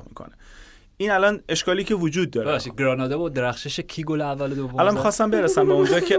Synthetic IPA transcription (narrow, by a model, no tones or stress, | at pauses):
miːkʰo̰ne | iːnælɒne̞ʃkɒːliːcʰe̞vod͡ʒuːd̪̚ːɒːɾbeæχʃiːd̪ɡɾɒːnɒːd̪ebɒd̪e̞ɾæxʃeʃecʰiɡoleævːælod̪ovoælɒnmixɒːst̪æmbe̞ɾesæmbeond͡ʒɒːkʰe